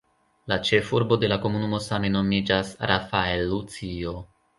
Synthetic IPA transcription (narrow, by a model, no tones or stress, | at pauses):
lat͡ʃe̞fuɾbo̞de̞lako̞munumo̞same̞no̞mid͡ʒasɾʔafaelːut͡sio̞